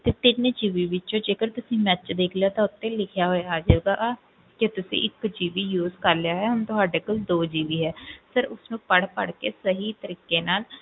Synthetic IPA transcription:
t̪eːt̪ɪnd͡ʒiːʋiːʋɪt͡ʃõːd͡ʒeːkəɾt̪ʊsĩːmɛt͡ʃd̪eːkʰlejaːt̪ãːʊt̪ːẽːlɪkʰjaːɦoːeːaːd͡ʒeːɡaː | kɪt̪ʊsḭ̃ːʔɪkd͡ʒiːʋiːjuːzkəɾlejaːɦɛːɦʊnt̪ʊɦaːɖeːkəld̪oːd͡ʒiːʋiːɦɛːsəɾʊsnũːpəɽpə̰ɽkeːsəɦiːt̪əɾiːkːeːnaːl

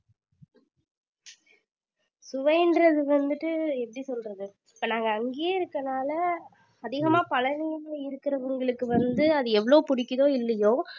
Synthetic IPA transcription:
sʊʋɐɪndɾɐðɯʋɐnd̪ɯʈːɯɛpːɐɽisɔlrɐðɯ | ɪpːoːnaːŋɡɐːŋɡejeːɪɾɯkːɐnaːlɐ | ɐðɪɣɐmaːpɐɭɐnɪjɐɐlɪɾɯkːɪɾɐʋɐŋɡɐɭɯkːɯʋɐnd̪ɯɐðɯɛʋːɐɭoːpʊɽɪkːɯðoːɪlːɐjoː

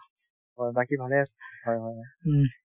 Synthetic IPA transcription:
ɦɔjbakibʱalɛasɦɔjɦɔjɦɔj

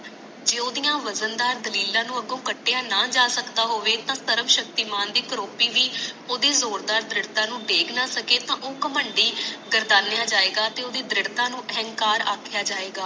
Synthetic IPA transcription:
d͡ʒeːoːd̪ɪjãːʋəzənd̪aːɾd̪əliːlãːnũːəɡõːkəʈːejãːnaːd͡ʒaːsəkd̪aːɦoːʋeːt̪ãːsəɾəmʃək̚t̪iːmaːnd̪iːkəɾoːpiːʋiːoːd̪iːzoːɾd̪aːɾd̪ɾɪɽt̪ãːnũːɖeːɡnaːsəkeːt̪ãːʔoːkəməɳɖiːɡəɾd̪aːnejaːd͡ʒaːeːɡaːt̪eːoːd̪iːd̪ɾɪɽt̪ãːnũːɦɛ̃ŋɡkaːɾa̰ːkʰjaːd͡ʒaːeːɡaː

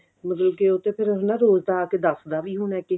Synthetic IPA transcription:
mət̪ləb̚keʊt̪ːẽːpʰɪɾɦnãːɾoːzd̪aːked̪əsd̪aːʋiːɦʊɳɛːkɪ

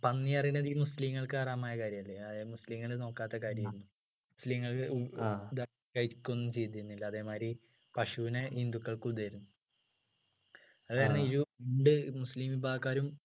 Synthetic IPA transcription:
pɐnːijɐrinɐðimusliːŋːɐɭkɨɐraːmaːjɐkaːɾjɐmɐlːeɐmusliːŋːɐɭɨno̞ːkːaːt̪ːɐkaːɾjɐmiɾunːu | musliːŋːɐɭ | d̪aː | kɐɻiikʲːonːumt͡ɕe̞jt̪̬ːiɾunːilːɐɐðe̞ːmaːɾi | pɐʂuʋinehind̪ukːɐɭkud̪ɐɾunːu | ɐkːaːɾɐnːɐiɾuʋiːɳɖɨmusliːmibʱaːkːaːɾum

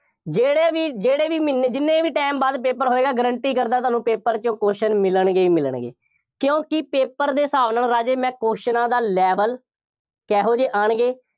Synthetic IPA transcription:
d͡ʒeːɽeːʋiːd͡ʒeːɽeːʋiːmɪneːd͡ʒɪnːẽːʋiːʈɛːmbaːd̪p̬eːpəɾɦoːeːɡaːɡəɾəɳʈiːkəɾd̪aːt̪ʊaːnũːpeːpəɾt͡ʃõːkoːʃənmɪləɳɡeːiːmɪləɳɡḛː | kjõːkɪpeːpəɾd̪eːsaːʋnəɳɾaːd͡ʒeːmɛ̃ːkoːʃnãːd̪aːlɛːʋəl | kɛːɦoːd͡ʒeːʔaːɳɡeː

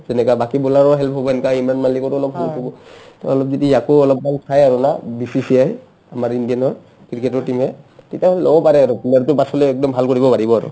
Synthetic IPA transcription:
zɛnɛkabakibɔlaɹɔɦɛlpʰɦɔbɔɛnɛkaimanmalikɔtɔlɔpɦɛlpɔbɔtɔɔlɔp̚zitiakoɔlɔp̚mankʰajaɹunabisisiaj | amaɹindianɔɹ | kɹikɛtɔɹtimɦɛtetiaɦɔllɔbɔpaɹɛaɹuplaɹtʊbatʰɔlɛɛk̚dɔmbʱalkoɹibɔpaɹibɔaɹʊ̰

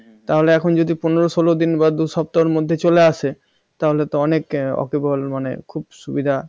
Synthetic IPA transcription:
t̪aɦoleɛkʰond͡ʑod̪ipuneɾosolod̪inbad̪uʃɔp̚t̪oɾmod̪ʱːet͡ɕoleaʃʰe | t̪aɦolet̪oɔnekɔ̰kebɔlmanḛkʰubʃubid̪ʱa

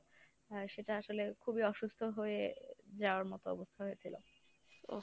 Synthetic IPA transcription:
ʃeʈaaʃolekʰubiɔʃust̪ʰoɦoed͡ʑaoaɾmɔt̪oɔ̰bost̪ʰaɦojet͡ɕʰilo̰

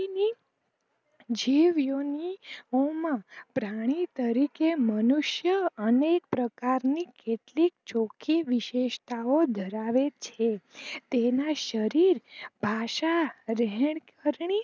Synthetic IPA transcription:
ni | d͡ʒiʋjoniomãpɾaɽ̃it̪əɾikemənuʃjəənek̚pɾəkaɾnikeʈlik̚t͡ʃokʰiʋiʃeʃt̪aod̪ʱəɾaʋet͡ʃʰet̪enaʃəɾiɾbʱaʃaɾɛɦɛɳkəɾɳi

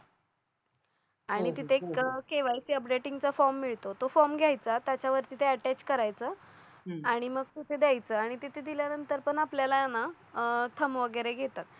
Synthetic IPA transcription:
aɽ̃it̪it̪ʰekeʋajsiəpɖeʈiŋɡt͡safɔɾmːiɭt̪ot̪ofɔɾmɡʱjajt͡sat̪jat͡ɕaʋəɾt̪it̪ʰeəʈæt͡ɕkəɾajt͡səː | aɽ̃iməɡ̚t̪it̪ʰed̪jajt͡səːaɽ̃it̪it̪ʰed̪iljanənt̪əɾpəɳapljalajana | t̪ʰəmʋəɡəɾeɡʱet̪at̪̚

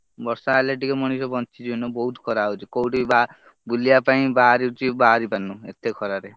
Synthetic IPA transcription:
bɔɾsaːleʈikɔmɔɽ̃isɔbɔnt͡ʃid͡ʒinɔbɔɦut̪ʰkʰɔɾawt͡ʃʰikowʈiba | bulijapaĩbaɾit͡ʃʰibaɾipanũḛt̪ʰekʰɔɾaɾe

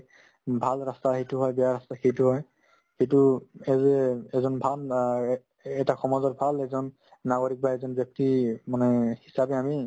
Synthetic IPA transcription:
bʱalɹastaxejtuɦɔjbɛjaɹastaxejtuɦɔj | xejtuɛzɛɛzɔnbʱal | ɛtaxɔmazɔtbʱalɛzɔnː | aɡoɹik̚baɛzɔnbjɔk̚timanɛhisabɛami

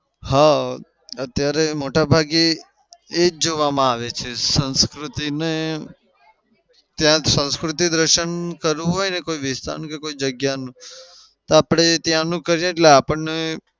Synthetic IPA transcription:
ha | ət̪jaɾemoʈabʱaɡe | ed͡ʒoʋamãaʋet͡ʃʰesə̃nskɾʊt̪ine | t̪jãsə̃nskɾut̪id̪ɾəʃənkəɾũɦojnekoiʋɪst̪a̰ɾnkekoid͡ʒəɡjanũ | t̪oapɽ̃et̪jãnũkəɾjẽeʈleapəɳne

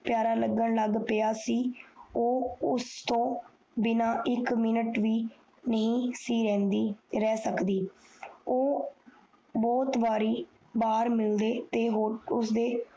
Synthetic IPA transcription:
pjaːɾaːləɡəɳləɡpəaːsiːoːʊst̪õː | bɪnãːʔɪkmɪnəʈʋiː | nəɦĩːsiːɾɛ̃ːnd̪iːɾɛːsəkd̪iːoː | bɔːt̪baːɾiː | baːɾmɪld̪eːt̪eːɦoːʊsd̪eː

